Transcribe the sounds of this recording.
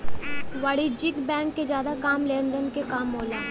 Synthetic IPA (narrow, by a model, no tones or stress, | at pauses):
ʋaːɽid͡ʒɪkbɛ̃ːŋkːed͡ʒjaːd̪akaːmleːnd̪ənkekaːmːoːlaː